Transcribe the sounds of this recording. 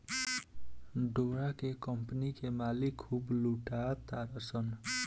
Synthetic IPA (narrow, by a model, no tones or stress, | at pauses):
ɖoɾakekəmpənikemaːlikʰːubluʈat̪aɾəsən